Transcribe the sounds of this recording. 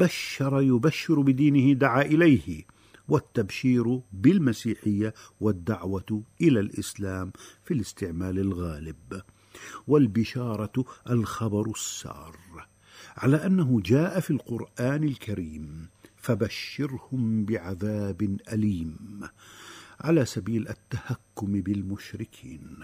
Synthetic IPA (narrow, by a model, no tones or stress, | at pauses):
b̥aʃːɑɾˤjʊbaʃːɪɾbɪd̪iːnɪhɪd̪aʕaːʔɪlajh | wat̪ːabʃiːɾbɪlmasiːħɪjːa | wad̪ːaʕwaʔɪlalʔɪslaːmfilɪst̪ɪʕmaːlɪlɣaːlɪb | walbɪʃɑːɾˤɑʔalxɑbɑɾˤsːɑ̰ːrˤ | ʕalaːʔanːaɦʊd͡ʒaːʔafilqʊɾʔaːnɪlkʰaɾiːmfabaʃːɪɾhʊmbɪʕaðaːbɪnʔaliːm | ʕalaːsabiːlʔat̪ːahakːʊmbɪlmʊʃɾɪkʰiːn